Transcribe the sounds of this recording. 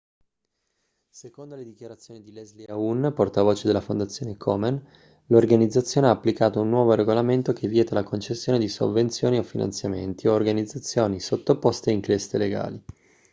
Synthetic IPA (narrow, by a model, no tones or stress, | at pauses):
sekond̪oled̪ikjaɾat̪sːjoːnid̪ilɛzliaunːport̪avoːt͡ʃed̪elːafond̪at̪sːjoːnekʰɔmen | lorɡanid̪zːat̪sːjoːneaːpːlikaːt̪ounːwɔːvoɾeɡolament̪okʰevːjɛːt̪alakʰont͡ʃesːjoːned̪iso̰vːent̪sjoːniofina̰nt̪sjamḛnt̪ioːrɡanid̪zːat̪sːjoːnisot̪ːopost̪eiŋklest̪eleɡa̰ːli